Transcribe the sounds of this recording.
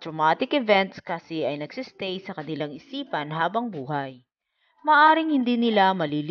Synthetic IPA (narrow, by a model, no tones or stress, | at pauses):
t̪ɾomaːt̪ɪkɛvɛnt̪skɐsɪʔɐjnɐɡ̥sɪst̪ɛjsɐkɐnɪlaŋɪsiːpɐnɦaːbɐŋbuːhɐj | mɐːʔaːɾɪŋhɪnd̪iːnɪlamɐliːl